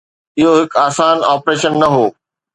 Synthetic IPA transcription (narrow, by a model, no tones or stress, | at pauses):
ɪɦoɦɪkaːsaːnaːpɾeːʃənːɐɦoː